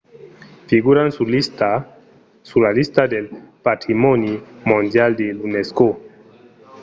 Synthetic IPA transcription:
fiɡuɾansulist̪a | sulalist̪ad̪elpat̪ɾimɔnimõnd̪jald̪elunesko

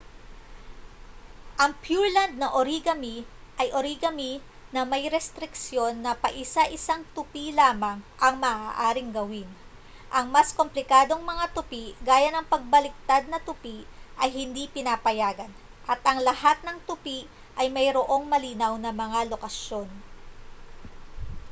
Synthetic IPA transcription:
ʔɐŋpjuɹland̪̚nɐʔoɾiɡɐmiʔɐjʔoɾiɡɐmi | nɐmɐjɾɛst̪ɾɪksjo̞nːɐpɐʔɪsaʔɪsaŋt̪ʊpilaːmɐŋʔɐŋmɐːʔaːʔaːɾɪŋɡɐwin | ʔɐŋmasko̞mplɪkaːd̪o̞ŋmɐŋat̪ʊpiʔɡaːjɐnɐŋpɐɡ̚bɐlɪk̚t̪ad̪̚nɐt̪ʊpiʔʔɐjhɪnd̪ipɪnaːpɐjaːɡɐn | ʔɐt̪ʔɐŋlɐhat̪̚nɐŋt̪ʊpiʔ | ʔɐjmɐjɾoʔo̞ŋmɐliːnɐwnɐmɐŋalo̞kɐʃjo̞n

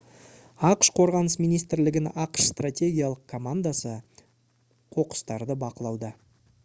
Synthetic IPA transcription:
ɑqə̥ʃqʰo̞ɾʁɑnəsmijnijs̬t̪ɾlɪɡʲɪnɑqə̥ʃst̪rat̪ʲe̞ɡʲijalˠəq̚kʰomand̪asə | qʰo̞qə̥st̪ɑɾd̪əbɑqəlˠɑwd̪ə

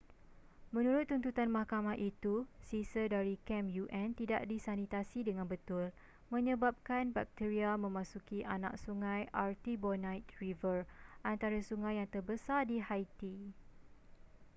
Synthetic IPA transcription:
mə̃nũɾʊt̪ːunt̪ut̪anmahkamaɦʔit̪usisədaɾikɛmjuʔɛ̃nt̪ida̰ʔdisanit̪asidəŋãnbət̪ʊl | mə̃ɲə̃bap̚kanbak̚t̪iɾiamə̃mãsukiʔana̰k̚suŋãjʔart̪ibɔnãjt̪̚rivərʔant̪aɾasuŋãjːaŋt̪ərbəsardiɦajt̪i

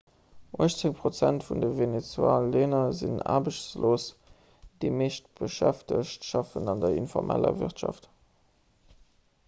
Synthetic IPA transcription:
ʔoəʃt͡seŋpʁ̥ot͡sæntfundəvenet͡swaːleːnɐzḭna̰ːbəɕt͡sloːs | d̥eɪmeːʃtb̥əʃæftəʃtʃɑfənɑndɐinfɔʁmʔæ̰lɐ̰vḭʁtʃɑ̰ft

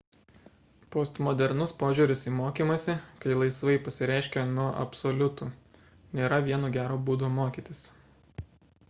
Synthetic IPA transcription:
poːst̪mɔd̪ʲɛɾnʊspoːʒʲuːɾʲʊsiːmoːkʲiːmɐsʲɪkɐɪlˠɐɪsʋɐɪpɐsʲɪɾʲæˑɪʃʲkʲenuɔʔɐ̰psolʲʊt̪uː | nʲeːɾɐʋʲiɛnuːɡʲæːɾoːbuːd̪omoːkʲiːt̪ʲɪs

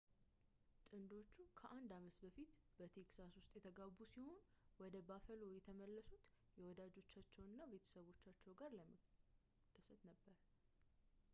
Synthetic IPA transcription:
t̪ʼɨnd̪o̞t͡ʃːukʰəʔand̪amət̪bəfit̪ | b̥ət̪ʰe̞ksaswʊst̪ʼjɛt̪ʰəɡabusiho̞n | wɔd̪əbafəlojɛt̪ʰəməlːəsut̪ | jɛwɔd̪ad͡ʒo̞t͡ʃːat͡ʃːɛwɨnːaβe̞t̪ʰə̥səβo̞t͡ʃːat͡ʃːɛwɡaɾləmə | t̪ʰːəsət̪nəbːəɾ

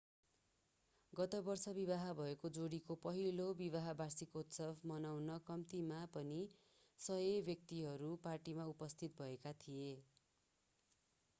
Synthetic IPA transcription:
ɡʌt̪ʌbʌrsʌbiβaɦʌbʱʌekod͡zoɽikopʌɦilobiβaɦʌbarsikot̪sʌbmʌnawnʌkʌmt̪imapʌni | sʌjebjʌk̚t̪iɦʌɾuparʈimaupʌst̪ʰit̪̚bʱʌekat̪ʰie

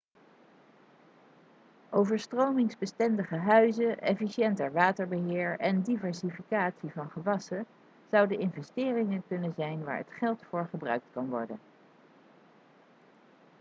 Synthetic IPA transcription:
ʔowvəɹstrowmɪŋzbəstɛndəχəɦœɥzəʔɛ̰fiʃjɛntəɹʋaːtəɹbəɦɪːɹɛndivɛɹsifikaːtsivɑnχəʋɑsə | z̥ɑwdəɪnvɛstɪːrɪŋənkɵnənzɛjnʋa̰ːɹə̰tχɛlˠtfʊːɹχəbrœ̰ɥk̚tkɑnʋɔ̰ɹdən

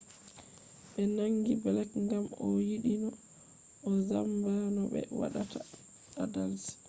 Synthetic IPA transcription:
ɓɛnaŋɡibɛlɛkŋɡamɔ̰jiɗinɔ | ʔɔzambanɔɓɛ̰wa̰ɗatʰa | ɗadalsi̥

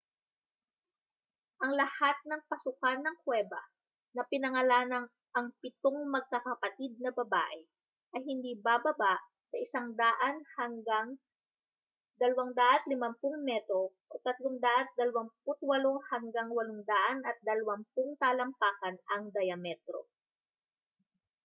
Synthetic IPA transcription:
ʔɐŋlɐhat̪̚nɐŋpɐsʊkanːɐŋkwɛːbɐ̰ | nɐpɪnɐŋɐlaːnɐŋ | ʔɐŋpɪt̪oŋmɐɡ̚kakɐpɐt̪id̪̚nɐbɐba̰ːʔɛ | ʔɐjhɪnd̪iːbabɐbaʔ | sɐʔɪsaŋd̪aːʔɐnhɐŋɡaŋ | d̪ɐlɐwaŋd̪aʔɐt̪̚lɪmɐmpʊŋmɛt̪ɾo̞ʔot̪ɐt̪loŋd̪aʔɐt̪̚d̪ɐlɐwɐŋp̚ʊt̪̚wɐlohɐŋɡaŋwɐloŋd̪aːʔɐnɐt̪̚d̪ɐlɐwɐmpʊŋt̪aːlɐmpaːkɐnɐŋd̪ɐjɐmɛt̪ɾo̰

